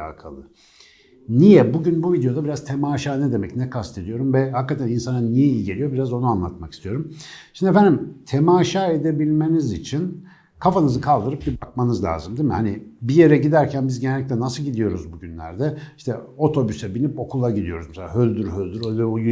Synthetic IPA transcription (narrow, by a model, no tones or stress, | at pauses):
a̰ːkʰa̰lˠɯ | nijɛbuɟynbuvid̪eod̪abiɾaz̥t̪ʰemaːʃaːnɛd̪e̞mɛcnɛkʰast̪ʰe̞d̪ijo̞ɾumvɛhakːat̪ʰæninsananijɛilɟelʲijo̞biɾazo̞nuanlˠa̰t̪maki̥st̪ʰijo̞ɾumʃimnd̪efænd̪imt̪ʰemaːʃaːe̞d̪e̞bilʲmenizit͡ʃʰin | kʰafanɯzɯkʰalˠd̪ɯɾɯp̚biɾbakmanɯzlʲa̰ːzɯmd̪imihanibije̞ɾɛɟid̪æɾcʰænbizɟenelʲictlʲɛnasɯlˠɟid̪ijo̞ɾuzbuɟynlʲæ̰ɾd̪ɛiʃt̪ʰɛo̞t̪ʰo̞bysɛbinipo̞kʰulˠaɟid̪ijo̞ɾuzmɛselaːɦølʲd̪yɾhølʲd̪yɾølʲd̪yj